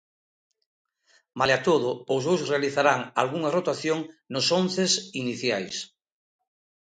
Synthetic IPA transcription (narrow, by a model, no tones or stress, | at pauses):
maleat̪oðʊozβowsrealiθaɾaŋa̰lɣuŋarot̪aθjoŋnʊsonθesiniθjajs